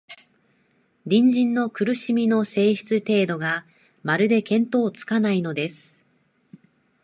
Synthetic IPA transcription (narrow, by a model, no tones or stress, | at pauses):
dʲĩɲ̟d͡ʑĩnːo̞kɯ̟ɾɯ̟ɕimʲino̞se̞ːɕi̥t͡sɨt̪e̞ːd̪o̞ɡa | maɾɯ̟d̪e̞kẽ̞nt̪o̞ːt͡sɨ̥kanaino̞d̪e̞sɨ̥